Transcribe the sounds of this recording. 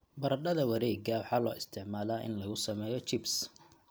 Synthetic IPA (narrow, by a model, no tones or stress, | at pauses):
bɐɾɐɖɐðɐwɐɾɛːɡɐwɑħɑːlɔːʔɪst̪ʰɪʕmaːlaːʔɪ̰nlɐɣʊsɐmɛːjɔt͡ʃɪbs